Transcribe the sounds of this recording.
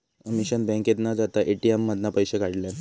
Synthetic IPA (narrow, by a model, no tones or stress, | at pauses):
əmiɕənbɛ̃ŋket̪nad͡zat̪aʔeʈiemːəd̪napəjɕekaɽle